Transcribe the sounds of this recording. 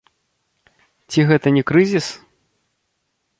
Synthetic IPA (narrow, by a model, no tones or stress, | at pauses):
t͡sʲiɣɛt̪ɐnʲɛkɾɨzʲis